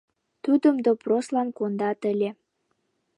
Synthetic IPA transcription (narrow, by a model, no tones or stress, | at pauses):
t̪ud̪əmd̪oproslɑnkond̪ɑt̪ə̆lʲe